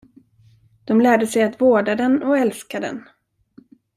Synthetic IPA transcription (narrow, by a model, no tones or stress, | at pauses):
d̪̥ɔmlæːɖəsɛjat̪voːɖad̪ɛnɔɛlskad̪ɛ̰n